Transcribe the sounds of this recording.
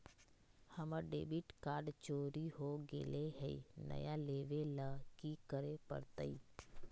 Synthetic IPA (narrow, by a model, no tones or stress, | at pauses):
həməɖḛːbiʈkaːɾɖt͡ʃoːɾiɦoɡḛːleɦɛḭnə̰jaleːʋeləkikəɾepə̰ɾt̪əi